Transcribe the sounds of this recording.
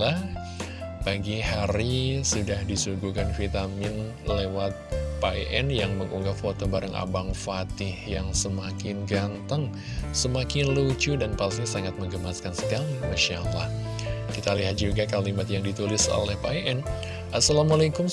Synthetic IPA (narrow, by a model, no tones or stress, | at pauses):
ah | baɡihaɾisudahdisuɡukanfit̪amɪn | lewat̪̚paeʔɛnjaŋməŋʔuŋɡafot̪obaɾəŋʔa̰baŋfat̪ɪhjaŋsəmakɪnɡant̪əŋ | səmakɪnlut͡ʃudanpaɲasaŋat̪̚məŋɡəmaskansə̥kalimaʃala̰h | kit̪aliɦat̪̚d͡ʒuɡakalimat̪jaŋdit̪ulɪso̰lɛhpaeʔɛn | ʔasalamalajkʊm